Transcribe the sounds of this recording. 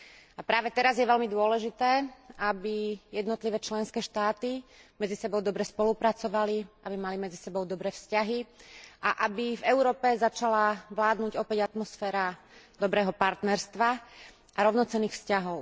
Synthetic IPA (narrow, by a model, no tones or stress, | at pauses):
apɾaːʋɛt̪ɛɾazjɛʋɛlmid̪ʊɔlɛʒit̪ɛːabijɛd̪nɔt̪liʋɛːt͡ʃlɛnskɛːʃt̪aːt̪imɛd͡zisɛbɔʊd̪ɔbɾɛspɔlupɾat͡sɔʋaliabimalimɛd͡zisɛbɔʊd̪ɔbɾɛːfscaɦiʔaʔabivɛʊɾɔːpɛzat͡ʃalaʋlaːd̪nuɟɔpɛɟat̪mɔsfɛːɾa | d̪ɔbɾɛːɦɔpaɾt̪nɛɾst̪ʋa | ʔaɾɔʊnɔt͡sɛnːiːxfscaɦɔʊ